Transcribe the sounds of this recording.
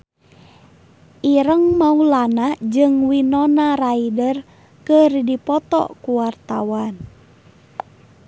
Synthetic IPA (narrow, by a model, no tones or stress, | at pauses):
ʔiɾəŋmaulanad͡ʒɨŋwinɔnaɾaidər | kərdipɔt̪ɔ̰kuwart̪awan